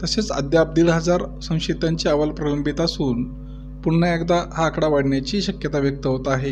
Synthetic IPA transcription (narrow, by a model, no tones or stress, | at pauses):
t̪əset͡sə̰d̪jab̚d̪iːɭɦəd͡zaɾsə̃w̃ɕit̪aɲt͡ɕiaʋəlpɾələmbit̪asuːn | puɳːəekd̪ahaːkɽaʋaɽɳjat͡ɕiːɕəkjət̪aʋjək̚t̪əɦot̪aɦe